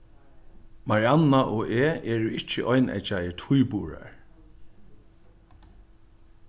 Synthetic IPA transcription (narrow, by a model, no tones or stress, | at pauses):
maɹianːaʔɔːʔeːɛːɹʊɪt͡ʃːəʔɔjnʔɛ̰t͡ʃajət̪ʰujpuːɹa̰ɹ